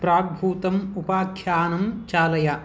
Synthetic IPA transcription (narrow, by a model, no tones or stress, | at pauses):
pɾaːɡ̚bʱuːt̪ɐmupaːkʰjaːnɐmt͡ʃaːlɐjɐ